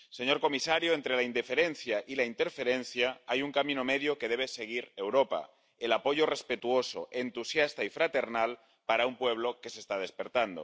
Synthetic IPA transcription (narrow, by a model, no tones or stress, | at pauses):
seɲo̞ɾko̞misaɾjoent̪ɾe̞laind̪efe̞ɾen̟θjaʔilaint̪e̞ɾfe̞ɾen̟θjaajuŋkamĩnomeðjoke̞ðe̞β̞ese̞ɣ̞iɾe̞wɾopa̰ | elapo̞ʝore̞spe̞t̪uo̞soʔe̞nt̪usjast̪aifɾat̪e̞ɾnal | paɾaumpwe̞β̞lo̞ke̞sest̪að̞e̞spe̞ɾt̪and̪o̰